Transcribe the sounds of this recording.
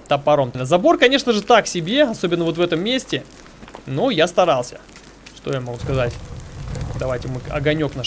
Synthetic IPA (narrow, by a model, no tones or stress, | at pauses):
t̪ɐpɐɾomlnəzɐbo̞rkɐnʲe̞ʂnəʐɨt̪aksʲɪbʲe̞ɐso̞bʲɪnːəvo̞t̪vɛt̪əmːʲesʲtʲɪ | nojast̪ɐɾalˠsʲə̰ | ʂt̪o̞jamɐɡuskɐzatʲ | d̪ɐvajtʲɪmɨɐ̰ɡɐnʲo̞kna